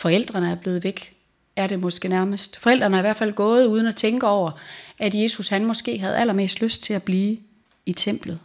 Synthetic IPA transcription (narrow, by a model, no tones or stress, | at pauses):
fɒ̽el̰d̥ʁɐnəæɐb̥le̝ːð̞̩ˠʋeɡ̥ | æɐɾe̝mɒ̽sɡ̥ənæɐməsd̥fɒ̽el̰d̥ʁɐnəɑ̈iʋæɐ̰̥fæl̰ɡ̥ɔ̽ːð̞̩ˠuːð̞ˠən̩æt͡sʰeŋɡ̥əɒʊ̰ɐæd̥je̝ːsushænmɒ̽sɡ̥e̝̰ːɦæð̞̩ˠælɐme̝̰ːsd̥løsd̥̚t͡sʰe̝æb̥liː | it͡sʰem̰b̥lð̞̩ˠ